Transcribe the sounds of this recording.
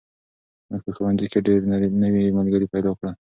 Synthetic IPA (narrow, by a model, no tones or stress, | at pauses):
məɡ̚pəxəwanzikeɖeɾnəwimalɡəɾipajd̪ɑkɽə